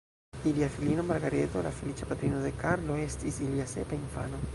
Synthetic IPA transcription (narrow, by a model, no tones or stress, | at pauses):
iliafilino̞maɾɡaɾe̞to̞lafe̞lit͡ʃapat̪ɾino̞de̞kaɾlo̞e̞stisiliase̞painfa̰no̞